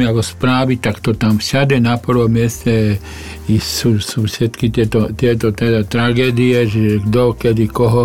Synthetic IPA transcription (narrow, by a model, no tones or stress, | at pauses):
iakɔspɾaːʋit̪akt̪ɔt̪amfʃad̪ɛnapr̩ʋɔmjɛscɛ | isusuːfʃɛt̪kit̪ɪɛt̪ɔt̪jɛt̪ɔt̪ɛd̪at̪ɾaɡɛːd̪iɛʒɛɡd̪ɔkɛd̪ikɔɦɔ